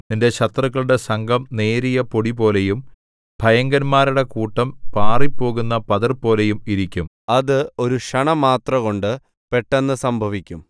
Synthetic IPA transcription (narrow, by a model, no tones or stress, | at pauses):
ninde̞ɕɐt̪rɐɣːɐɭuɽe̞sɐŋɡʱɐmne̞ːɾijɐpo̞ɽibo̞ːle̞jum | bʱɐjɐŋɡɐnmaːɾuɽe̞kuːʈːɐmpaːripːo̞ːɣunːɐpɐðɐrpo̞ːle̞jumiɾikʲːum | ɐðɨo̞ɾuʂɐɳɐmaːt̪rɐɣo̞ɳɖɨ | pe̞ʈːenːɨsɐmbʱɐʋikʲːum